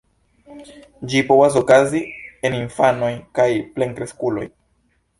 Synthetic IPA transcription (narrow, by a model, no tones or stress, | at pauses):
d͡ʒipo̞vas̬o̞kazie̞ninfano̞jkajple̞ŋkɾe̞skulo̞̰j